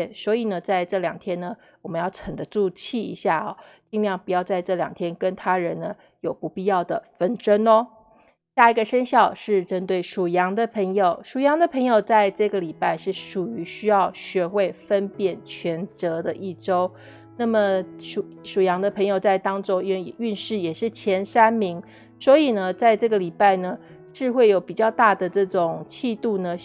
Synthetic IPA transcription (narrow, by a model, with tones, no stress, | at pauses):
swɔ˧˥i˨˩nə˦t͡sa˥˧ɪʈ͡ʂɤ˥˩ljɑ˨˩ŋt̪ʰjɛ˥nə˨ | wɔ˨˩mə˧˦njɑ˥˩ʊʈ͡ʂʰə˨˩ŋd̪ə˦ʈ͡ʂu˥˧t͡ɕʰi˥˩ḭ˧˥ɕja˥˩ɔ̰˨˩t͡ɕi˥˧ŋljɑ˥˩ŋpu˨˩jɑ˥˧ʊt͡sa˥˧ɪʈ͡ʂɤ˥˩ljɑ̰˨˩ŋt̪ʰjɛ˥nkə˦nt̪ʰa˥ɻə˧˦˥nnə˦ | jo˨˩ʊpu˧˥pi˥˧jɑ˥˩ʊd̪ə˩fə˥nʈ͡ʂə˥nɔ˦ | ɕja˥˩i˧˥ɡə˧ʂə˥nɕjɑ˥˧ʊʂɻ̩˥˩ʈ͡ʂə˥nt̪we˥˩ɪʂu˨˩jɑ˧˥ŋd̪ə˨pʰə˧˥ŋjo˨˩ʊʂu˨˩jɑ˧˥ŋd̪ə˧pʰə˧˥ŋjo˨ʊt͡sa˥˧ɪʈ͡ʂɤ˥˩ɡə˩li˨˩pa˥˧ɪʂɻ̩˥˩ʂu˨˩y˧˥ɕy˥jɑ˥˩ʊɕɥɛ˧˥xwe˥˩ɪfə˦npjɛ˨˩nt͡ɕʰɥɛ˧˥nt͡sɤ˧˥d̪ə˧ʔi˥˩ʈ͡ʂo˥ʊ | na˥˩mə˩ʂu˨˩ʂu˨˩jɑ˧˥ŋd̪ə˧pʰə˧˥ŋjo˨˩ʊt͡sa˥˩ɪt̪ɑ˥ŋʈ͡ʂo˥ʊi˥we˥˧˨y˥˧nʂɻ̩˥˩jɛ˨˩ʂɻ̩˥˩t͡ɕʰjɛ˧˥nʂa˥nmi˧˥ŋ | swɔ˧˥i˨˩nə˦t͡sa˥˧ɪʈ͡ʂɤ˥˩ɡə˩li˨˩pa˥˩ɪnə˩ | ʂɻ̩˥˧xwe˥˩ɪjo˨˩ʊpi˨˩t͡ɕjɑ˥˧ʊt̪a˥˩d̪ə˩ʈ͡ʂɤ˥˩ʈ͡ʂʊ˨˩ŋt͡ɕʰi˥˧t̪u˥˩nə˩